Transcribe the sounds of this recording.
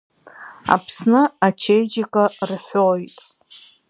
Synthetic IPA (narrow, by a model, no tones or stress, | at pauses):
a̰pʰsnɨat͡ʃʰejd͡ʒɪkʼarħʷᶣojtʼ